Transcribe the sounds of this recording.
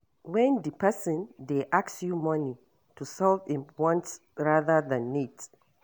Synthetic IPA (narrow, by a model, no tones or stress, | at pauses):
wɛ̃ndipʰɛsə̃ndeʔaksjumɔni | tusɔlvĩnwɔ̃nt | ɹaðəðãnːit